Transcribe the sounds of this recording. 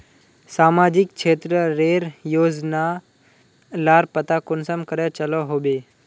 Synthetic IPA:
saːmad͡ʒɪk̚t͡ʃʰeːt̪ɾəɾeɾjoːd͡ʒna | laːɾpət̪akonsəmkəɾat͡ʃəloɦoːbe

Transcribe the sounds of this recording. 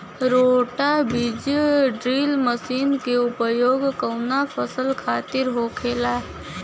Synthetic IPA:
ɾoːʈabɪd͡ʒɖɾiːlməsiːnkeʊpəjoːɡkəʊnapʰəsəlkʰaːt̪ɪɾɦoːkʰeːlaː

